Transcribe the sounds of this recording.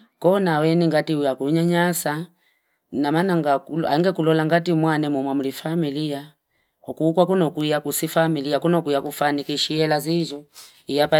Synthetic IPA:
kɔnawɛniŋɡatiujakuɲaɲasa | namanaŋɡakua̰ŋɡɛkulɔlaŋɡatimwanɛmɔmwamulifamilija | ɔkuːkwakunɔkuijakusifamilijakunɔkuijakufanikiʃiɛlazizɔ | ijapa

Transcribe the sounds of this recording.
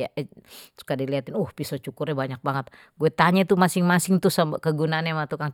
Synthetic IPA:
aʔɛu̥kadiliat̪ɪnuhpisɔt͡ʃukʊrɛbaɲak̚baŋət̪̚ | ɡuɛt̪aɲɛt̪umasɪŋmasɪŋt̪ʊsambakəɡunaːnɛmat̪ukaŋ

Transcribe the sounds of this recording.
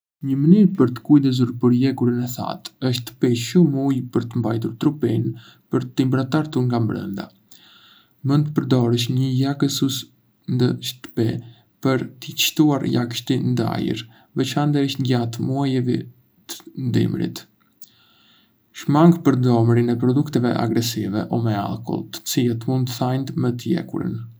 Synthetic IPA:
ɲəmənyɾpəɾt̪ə̥kujd̪əzuɾpəɾjɛkuɾənɛθa̰t̪əʃt̪t̪ə̥pɛʃumujpəɾt̪əmbajt̪uɾt̪ɾupin | pəɾt̪imbɾat̪aɾt̪uɾŋɡambɾə̰nd̪a̰ | mənt̪pəɾd̪ɔɾəʃɲəjakəsus | nd̪əʃt̪ə̥pɛ̰ | pəɾt̪əə̥ʃt̪uaɾjakʃt̪ind̪a̰jə̰ɾ | vɛt͡ʃand̪aəʃt̪ɟat̪muajəvi | t̪ə̥nd̪ḭmɾḭt̪ | ʃmaŋɡpəɾd̪ɔmɾinɛpɾɔd̪ukt̪ɛvɛʔa̰ɡɾɛsivɛ̰ʔɔmɛa̰lˠkɔ̰lˠt̪ə̥t͡silɛt̪mund̪θajnt̪mɛt̪əjɛ̰kṵɾə̰n

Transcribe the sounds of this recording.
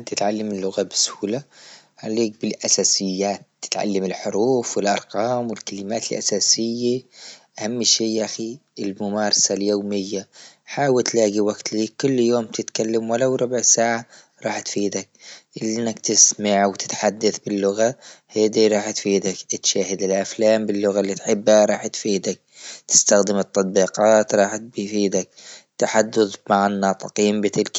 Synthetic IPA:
t̪ɪt̪ʕalːamɪlːʊɣabɪsʊ̥huːla | ʕaleːk̚bɪlʔasaːsɪjːaːt̪ːɪ̥t̪ʕa̰lːamɪlħʊɾuːfwɪlʔɑ̰ɾˤqɑːmwɪlkalɪmaːt̪ɪlʔa̰saːsɪjːaʔahamːʃeːʔaxiɪlmʊmaːɾˤɑsaljoːmɪjːa | ħaːwɪlt̪laːɡiwaɡt̪liːkːʊlːjoːmt̪ɪt̪kalːamwalawɾˤʊbʕsaːʕa | ɾˤɑːħt̪fiːd̪ak̚ʔɪnːakt̪ɪsmaʕwt̪ɪ̥t̪ħad̪ːaθbɪlːʊɣahaːd̪iɾˤɑːħt̪fiːd̪akt̪ʃaːhɪd̪ɪlʔaflaːmbɪlːʊɣalːit̪ħɪbːhaɾˤɑːħt̪fiːd̪ak̚t̪ɪ̥st̪axd̪ɪmɨt̪ˤːɑt̪̚ˤbiːqɑːt̪ɾˤɑːħ̚bfiːd̪ak̚t̪ːaħad̪ːʊðmaʕanːɑːt̪ˤɨqiːmbɪt̪ɪlk

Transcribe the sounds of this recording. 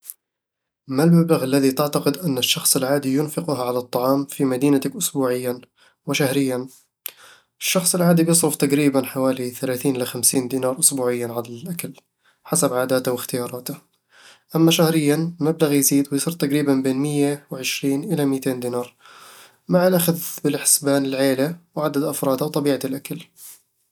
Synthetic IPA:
malmablaɣalːaðit̪ɪʕt̪aqɪd̪ʔanːɪʃːɑxsˤɪlʕaːd̪ijʊnfɪqʊɦaʕalat̪ˤːɑʕɑːmfimad̪iːnat̪akʔʊsbuːʕɪjːan | wɪʃahɾɪjːan | ʔɪʃːɑxsˤɪlʕaːd̪ibjɨsˤɾʊft̪aqɾiːbanħawaːliθalaːθiːnʔɪlaxamsiːnd̪iːnɑːɾˤʔʊsbuːʕɪjːanʕalalʔakal | ħasabʕaːd̪aːt̪awɪxt̪ɪjɑːɾˤɑːt̪a | ʔamːaʃahɾɪjːanmablaɣjziːd̪wɪjsˤɨɾt̪aqɾiːbanbeːnmɪjːawɪʕɪʃɾiːnʔɪlamɪːt̪eːnd̪iːnɑːɾˤ | maʕɪlʔaxaðbɪlħɪ̥sbaːnɪlʕeːlawʕad̪ad̪ʔafɾˤɑːd̪awt̪ˤɑbiːʕatlʔakal

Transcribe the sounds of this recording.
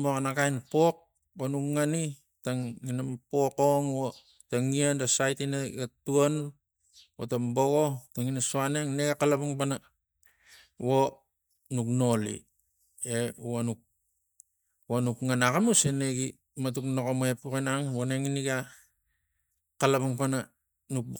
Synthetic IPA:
mokanakajnpok̚ | banukŋani | taŋːinampokoŋwo | taŋiandasajtinaɡatuan | wotamboɡo̞taŋinasoaneŋneɡakalapuŋpana | wo | nukno̞lḭ | eanuk̚ | wanukŋanakamuseneɡi | mat̬uknokomoepukinaŋwoneŋiniɡa | kalapaŋpana | nuk̚

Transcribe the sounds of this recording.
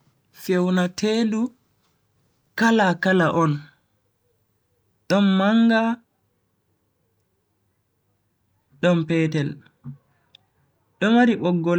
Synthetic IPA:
fewnatʰeːdu | kalakalaʔɔn | ɗɔnmaŋɡa | ɗɔmpɛːtɛl | ɗɔmaɾiɓɔɡːɔl

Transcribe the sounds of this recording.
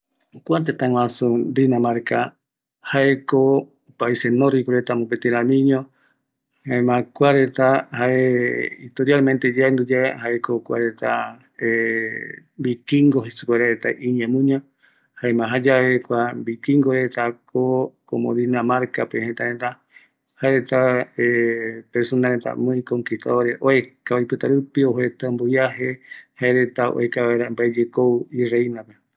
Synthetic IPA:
okʷat̪et̪ãw̃ãsud̪inãmaɾka | haeko | opaisenoɾikoɾet̪amũpet̪eɾãmĩɲõ | haemãkʷaɾet̪ahaeit̪oɾjalmẽnt̪ed͡ʒaend̪ud͡ʒahaekokʷa̰ɾet̪a | e | mbikiŋɡoɦesukʷeɾaɾet̪a̰ʔiɲãmũɲã | haemãɦad͡ʒaβekʷambikĩŋɡoɾet̪akokõmõdinamaɾkapehent̪aɾẽnt̪a | haeɾet̪aepeɾsonaɾent̪a̰mõĩkoŋkik̪a̰aɾeʔoekajpɨt̪aɾupioɦet̪ambojaɦehaeɾet̪ao̰ekaβaeɾambaed͡ʒekoirainãpe

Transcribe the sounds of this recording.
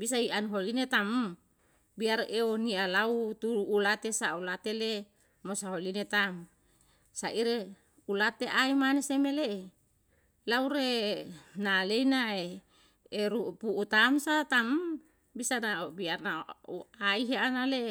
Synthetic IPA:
bisaianɦolinet̪am | biaɾeonialaut̪uɾuːlat̪esaulat̪ele | mosaɦolinet̪am | saʔiɾe | ulat̪eʔaimanesemele | lauɾe | naleinae | eɾupuʔːt̪amsat̪am | bisanaobiarnauaiɦaanale

